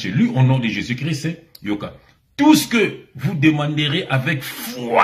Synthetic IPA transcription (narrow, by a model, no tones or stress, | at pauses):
elyʔonɔ̃d̪əʒezykʁistɛ | joka | t̪usə̥kəvud̪əmɑ̃d̪əʁeʔavɛkfa̰